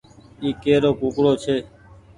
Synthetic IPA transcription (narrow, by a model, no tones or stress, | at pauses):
iːkeːɾoːkuːkɽoːt͡ʃʰeː